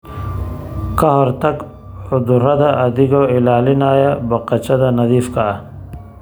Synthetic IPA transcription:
kɐɦɔɾt̪ɐk | ʊd̪uɾɐd̪aʔɐd̪iɡoɪlaːlinaːjabɐqɐt͡ʃɐd̪anɐd̪iːfka

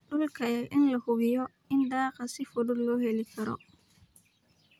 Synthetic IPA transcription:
ɖʊlkʰɐjɛʔɪnlɐhʊβɪjɔ | ɪnd̪aːqɐsɪfɔdʊdːɔːɦɛlikʰɐɾɔ̰

